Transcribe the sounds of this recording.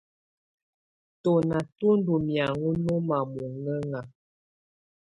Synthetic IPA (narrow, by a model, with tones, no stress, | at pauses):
to˨na˨tu˦n˦du˨mja˨ŋu˦nu˦ma˨bu˨ŋə˦ŋa˨